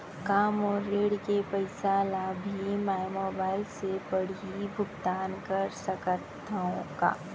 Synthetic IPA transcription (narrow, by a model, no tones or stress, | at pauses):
kaːmɔːeːɽkepəɪsaːlabʱimɛmoːbaːɪlsepɐɽiibʱʊɡt̪aːnkɐɾsɐkət̪ːõka̰ː